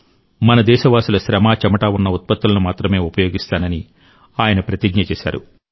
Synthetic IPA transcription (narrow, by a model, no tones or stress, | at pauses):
mɐnɐd̪ɛːʃɐʋaːsulɐʃɾɐmaːt͡ʃɐmɐʈaːunːɐut̪̚pɐt̪ːulɐnumaːt̪ɾɐme̞ːupɐjo̞ːɡist̪aːnɐni | aːjɐnɐpɾɐt̪iɡɲɐt͡ʃɛːʃa̰ːɾṵ